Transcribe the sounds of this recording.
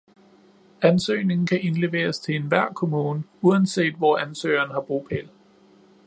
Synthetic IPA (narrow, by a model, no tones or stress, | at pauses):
ænsø̰ːne̝ŋn̩kʰæʔe̝nle̝ʋe̝̰ːɐst͡sʰe̝enʋæɐ̰kʰo̝muːnəuænse̝̰ːd̥ʋɒænsø̰ɪɐːnhɑ̈b̥ʁupʰel